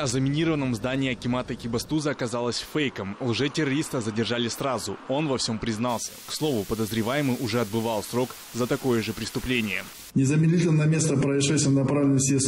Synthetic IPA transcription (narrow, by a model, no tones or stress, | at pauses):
ɐzəmʲɪnʲiɾəvənːəmzd̪anʲɪːɐkʲɪmat̪əkʲɪbɐst̪uzəɐkɐzalˠəsʲfejkəmlˠʐɛtʲɪɾɐɾʲist̪əzədʲɪrʐalʲɪsrazʊo̞nvɐfsʲompɾʲɪznalˠsʲə̥kslˠo̞vʊpəd̪əzɾʲɪvajɪmɨjʔʊʐɛɐd̪̚bɨvɑlˠsɾo̞k | zət̪ɐko̞jəʐɨpɾʲɪst̪ʊplʲenʲɪjə̰ | nʲɪzəmʲɪd̪ʲlʲit̪ʲɪlʲnnɐmʲest̪əpɾəɪʂɛt̪ʲɪmnɐpɾavlʲɪnəsʲes